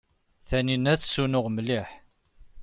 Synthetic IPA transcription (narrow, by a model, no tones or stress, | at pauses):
θæninæθsunʊʁmliħ